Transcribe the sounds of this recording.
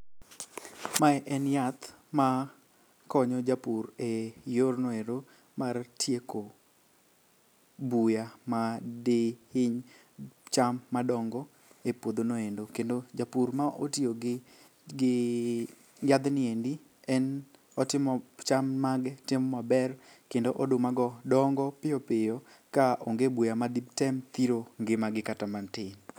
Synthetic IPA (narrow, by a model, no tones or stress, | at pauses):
maɛʔɛnjat̪ | ma | kɔɲɔd͡ʒapurejornɔeɾo | martʰjeko | bujamadehɪɲ | t͡ʃamːadɔŋɡɔ | epod̪onoendokendod͡ʒapurmaʔotioɡɪ | ɡɪ | ɡad̪nɪendi | ɛn | ɔtɪmɔt͡ʃammaɡɛtɪmɔmabɛr | kendoʔɔdʊmaɡɔdɔŋɡɔpɪɔpɪjo | kaʔoŋɡebujamad̪ibtɛmt̪iɾoŋɡɪmaɡɪkatamantɪn